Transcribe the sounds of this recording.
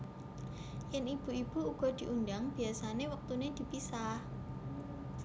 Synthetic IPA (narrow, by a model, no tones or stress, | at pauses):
jɛnib̥ṳib̥uuɡ̥ɔ̤d̪̥i̤ʔundaŋb̥i̤asanewək̚t̪uned̪̥i̤pisah